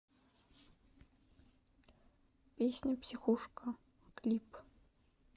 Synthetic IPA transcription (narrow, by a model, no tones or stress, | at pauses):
pʲesʲnʲɐpsʲixuʂkə | klʲip